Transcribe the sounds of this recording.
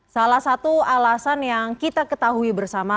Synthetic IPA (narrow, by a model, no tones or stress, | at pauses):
salahsat̪ualasanjaŋkit̪akət̪aɦuibərsama